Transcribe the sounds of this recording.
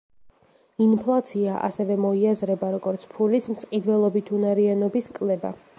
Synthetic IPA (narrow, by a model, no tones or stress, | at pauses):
inpʰlˠat̪sʰiaʔa̰sɛvɛmɔiazɾɛbaɾɔɡɔɾt̪sʰpʰulismsqʼid̪wɛlˠɔbit̪ʰunaɾianɔbiskʼlɛba̰